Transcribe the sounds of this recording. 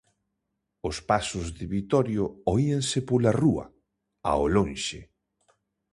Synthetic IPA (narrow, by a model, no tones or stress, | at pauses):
ʊspasʊzðɪβit̪ɔɾjʊoieŋsɪpolaruɐ̰ | a̰olõnʃɪ